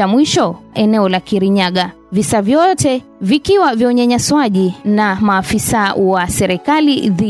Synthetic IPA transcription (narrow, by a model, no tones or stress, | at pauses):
amwiʃɔɛnɛɔlakiɾiɲaɠa | visavjɔtɛ | vikiwaviɔɲɛɲaswaʄinamaːfisawasɛɾɛkaliði